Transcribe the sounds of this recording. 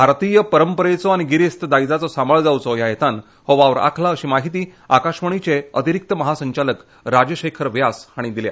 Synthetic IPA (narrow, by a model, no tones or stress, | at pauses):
bʱaɾt̪ijəpəɾəmpəɾet͡sɔaɽ̃iɡiɾest̪əd̪ajd͡zat͡sɔsambəɭd͡zawt͡sɔjajet̪an | hɔʋaʋɾa̰kʰlaəɕiːmaɦit̪iːakaɕʋəɳ̃it͡ɕeət̪iɾik̚t̪əməɦasəɲt͡ɕalək | ɾad͡ʑəɕekʰəɾʋjasaɽ̃id̪ilja̰